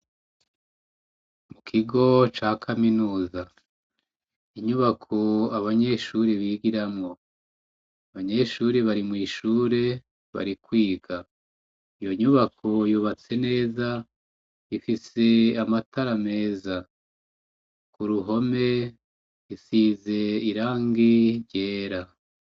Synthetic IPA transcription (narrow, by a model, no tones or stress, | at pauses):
mukʰiɡo̞t͡ʃaːkʰaminuːza | iɲuβakʰo̞aβaɲe̞ʃuɾiβiːɡiɾamŋo̞ | aβaɲe̞ʃuːɾiβaɾimŋiːʃuːɾe̞ | βa̰ɾikwiːɡa | ijo̞ɲuβakʰo̞joβat͡se̞ne̞ːza | ifise̞amataɾame̞ːza | kuɾuɦo̞me̞ | isize̞iɾaːŋɡiɾɟe̞ːɾa